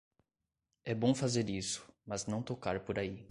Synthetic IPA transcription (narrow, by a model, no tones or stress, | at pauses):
ɛbõw̃fazeɾisʊ̥mɐznɐ̃w̃t̪okaɾpoɾai